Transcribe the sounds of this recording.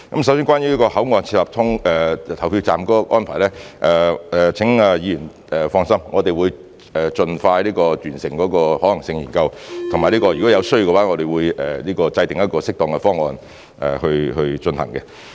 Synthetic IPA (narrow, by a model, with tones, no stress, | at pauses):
kɐ˨˦˥msɐ˨˥ws̬iː˥nkʷwaː˥njyː˨˥li˥kɔː˧hɐ˨˥wŋɔː˨˧nt͡sʰi˧laː˨p̚t̪ʰʊ˥ŋɛː˨t̪ʰɐ˨˩wpʰiː˧wt͡saː˨mkɔː˨˥kɔ˧ʔɔː˥npʰaː˨˩nlɛː˥ʔɛː˨˩ɛː˨t͡sʰɪ˨˥ŋaː˧jiː˨˧jyː˨˩n | ɛ˨˩fɔː˧ŋsɐ˥mŋɔː˨˧t̪e˨jwu˨˧j | ɛː˨t͡ʃɵ˧nfaː˧jliː˥kɔː˧t̪yː˨˩nsɪ˨˩ŋkɔː˨˥kɔː˧hɔː˨˥lɐ˨˩ŋsɪ˧ŋjiː˨˩nkɐ˧wt̪ʰʊ˨˩ŋmaː˨˩liː˥kɔː˧jy˨kɔ˨˥jɐ˧wsɵ˥jɡɛ˧waː˨˥ŋɔ˨˧t̪e˨jwuː˨˧jɛː˨˩liː˥kɔː˧t͡sɐ˧jt̪ɪ˨˩ŋjɐ˥t̚kɔː˧sɪ˥k̚t̪ɔː˨˧ŋkɛ˧fɔː˥ŋːɔː˨˧n | ʔɛ̰ː˨˩hɵ˧ɥhɵ˧ɥt͡ʃɵ˧nhɐ̰˨˩ŋkɛ˧